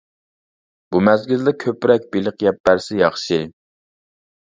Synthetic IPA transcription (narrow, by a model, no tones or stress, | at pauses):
b̥umɛzɡʲild̪ɛkʲʰøpɾɛk̚ʲbilɨqjɛp̚bæɾsɪjɑχʃi